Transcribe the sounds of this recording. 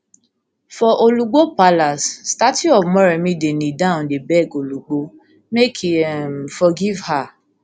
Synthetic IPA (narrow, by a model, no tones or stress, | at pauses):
fɔʔoluɡ͡bopalasːtatiɔvmɔ̃ɾɛmĩdenĩdãndebɛɡoluɡ͡bo | mekʰiɛmfɔɡivha